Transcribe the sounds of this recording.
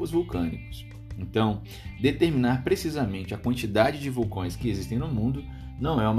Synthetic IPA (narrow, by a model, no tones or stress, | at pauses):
ʊzvuwkɐ̃nḭkʊ̥s | ẽt̪ɐ̃w̃ | d̪et̪eɾminaɾpɾesizɐmẽnt͡ʃɪɐkwɐ̃nt͡ʃid̪ad͡ʒɪd͡ʒɪvuwkõj̃skɪezist̪ẽj̃nʊmũnd̪ʊ | nɐ̃w̃ɛũm